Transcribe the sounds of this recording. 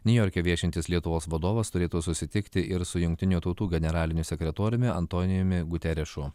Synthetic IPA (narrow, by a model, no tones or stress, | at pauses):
nʲʊjɔːɾʲkʲɛːʋʲiɛʃʲɪnʲt̪ʲɪslʲiɛt̪ʊʋoːsʋɐd̪oːʋɐst̪ʊɾʲeːt̪uːsʊsʲɪt̪ʲɪkt̪ʲɪʔɪɾsʊjʊŋk̚ʲt̪ʲɪnʲuːt̪ɒʊt̪uːɡʲɛnʲɛɾɑːlʲɪnʲʊsʲɛkʲɾʲɛt̪oːɾʲʊmʲɪɐ̰nt̪oːnʲɪjʊmʲɪɡʊt̪ʲɛɾʲɛʃʊ